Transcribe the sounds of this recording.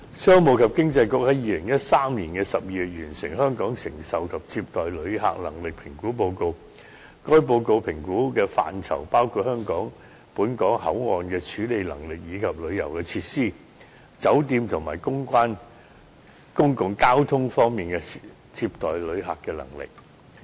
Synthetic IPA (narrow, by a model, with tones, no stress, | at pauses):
sœː˥ŋmo˨˧wkʰɐ˨p̚kɪ˥ŋt͡sɐ˧jkʊ˨˥k̚hɐ˨˥jjiː˧lɪ˨˩ŋjɐ˥t̚saː˥mniː˨˩nkɛː˧sɐ˨p̚jiː˧˨y˨t̚jyː˨˩nsɪ˨˩ŋɦœː˥ŋkɔː˨˥ŋsɪ˨˩ŋsɐ˨wkʰɐ˨p̚t͡siː˧p̚t̪ɔː˨˩jlɵ˨˧ɥɦa̰ː˨k̚lɐ̰˨˩ŋlɪ˨k̚pʰɪ˨˩ŋkuː˨˥p̬o˧wko˧w | kɔː˥jp̬o˧wko˧wpʰɪ˨˩ŋkuː˨˥kɛː˧fa̰ː˨nt͡sʰɐ̰˨˩wpaː˥wkʰuː˨˧t̚hœː˥ŋkɔː˨˥ŋ | puː˨˥nkɔː˨˥ŋhɐ̰˨˥wŋɔː˨nkɛː˧t͡ʃʰyː˨˥le˨˧jlɐ̰˨˩ŋlɪ˨k̚jiː˨˧kʰɐ˨p̚lɵ˨˧ɥjɐ̰˨˩wkɛː˧t͡sʰiː˧t̚siː˥ | t͡sɐ˨˥wt̪iː˧mt̪ʰʊ˨˩ŋmaː˨˩jkʊ˥ŋkʷaː˥n | kʊ˥ŋkʊ˨˩ŋkaː˥wt̪ʰʊ˥ŋfɔː˥ŋmiː˨nkɛ˧ | t͡siː˧p̚t̪ɔː˨jlɵ˨˧ɥɦa̰ː˨kːɛː˧lɐ̰˨˩ŋlɪ̰˨k̚